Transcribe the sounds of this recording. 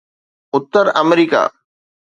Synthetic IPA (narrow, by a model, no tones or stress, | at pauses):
ʊt̪ːəɾɐmɾiːka̰ː